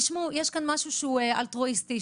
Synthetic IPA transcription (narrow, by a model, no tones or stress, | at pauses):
ʃmujeʃkanmaʃuʃeueʔa̰lt̪ʁoist̪i